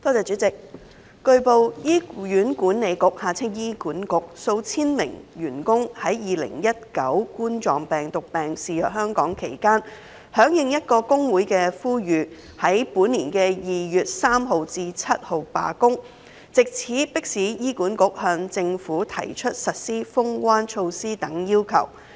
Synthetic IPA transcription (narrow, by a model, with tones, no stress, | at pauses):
t̪ɔː˥t͡sɛː˨t͡ʃyː˨˥t͡sɪ˨k̚ | kɵ˧ɥpo˨˧wjiː˥jyː˨˥nkuː˨˥nne˨˧jkʊ˨˥k̚haː˨t͡sʰɪ˥ŋjiː˥kuː˨˥nkʊ˨˥k̚so˧wt͡sʰiː˥nmɪ̰˨˩ŋjyː˨˩nkʊ˥ŋhɐ˨˥jjiː˨˩lɪ̰˨˩ŋjɐ˥t̚kɐ˨˥wkuː˥nt͡sɔː˨˩ŋpɛː˨˩ŋt̪ʊ˨k̚pɛː˨˩ŋsiː˨jœː˨k̚hœː˥ŋkɔː˨˥ŋkʰe˨˩jkaː˥n | hœː˨˥ŋjɪ˨˧ŋjɐ˥t̚kɔː˧kʊ˥ŋwu˨˥jkɛː˧fuː˥jyː˨˧ | hɐ˨˥jpuː˨˥nːiː˨˩nkɛː˧jiː˨jyː˨t̚saː˥mɦo˨wt͡siː˧t͡sʰɐ˥t̚ho˨˩wpa̰ː˨kʊ˥ŋ | t͡sɪ˨k̚t͡sʰiː˨˥pɪ˥k̚siː˨˥jiː˥kuː˨˥nkʊ˨˥k̚hœː˧ŋt͡sɪ˧ŋfuː˨˥t̪ʰɐ̰˨˩jt͡ʃʰɵ˥t̚sɐ˨t̚siː˥fʊ˥ŋkwaː˥nt͡ʃʰo˧wsiː˥t̪ɐ˨˥ŋjiː˥wkʰɐ̰˨˩w